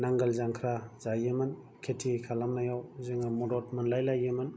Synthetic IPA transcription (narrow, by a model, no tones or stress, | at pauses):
naŋɡalzaŋkʰɾaz̥ajɯman | kʰetʰikʰalamnajawzɯŋamɔdɔt̚manlajlajɯman